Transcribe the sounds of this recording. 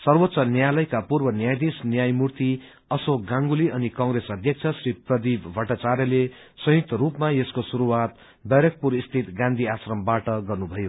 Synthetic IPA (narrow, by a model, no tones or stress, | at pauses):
sʌrwot̪ːsʌnjalʌjkapurbʌnjajd̪isnjajmurt̪i | ʌsoɡãŋɡuliʌnikʌ̃ŋɡɾesʌd̪ʱjʌk̚t͡sʰʌsriprʌd̪ibbʱʌʈat͡saɾjʌle | sʌj̃ik̚t̪ʌɾupmaeskosuɾuwat̪̚ | d̪ʌjɾʌk̚puɾist̪ʰit̪ɡãnd̪ʱiasrʌmbaʈʌɡʌrnubʱʌjo